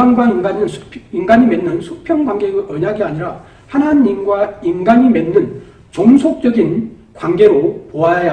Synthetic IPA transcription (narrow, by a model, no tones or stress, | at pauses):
anɡwaiŋɡaɲinɯnʰinɡaɲime̞nːɯnsʰupʰjʌŋɡwaŋɡe̞ɡɯʔʌɲaɡiaɲiɾa | hanaɲimɡwainɡaɲimenːɯn | t͡ɕoŋsʰok̚t͡ɕ͈ʌɡin | kwanɡe̞ɾopoajaja